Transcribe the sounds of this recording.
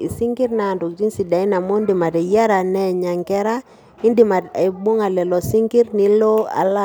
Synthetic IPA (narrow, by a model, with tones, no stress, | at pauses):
ḭ˨si˦ŋɡi˦ɾna˨ndu˨kd͡ʒi˦nsi˨da˨i˦na˨mɔ˦ndi˨ma˨te˨ja˦ɾa˨nɛ˦˨ɲa˨ŋkɛ˦ɾa˦ | i˦ndi˨ma˨ta˨bu˦ŋa˨lɛ˨lɔ˨si˦ŋki˦ɾni˦lɔ˦a̰˨la˦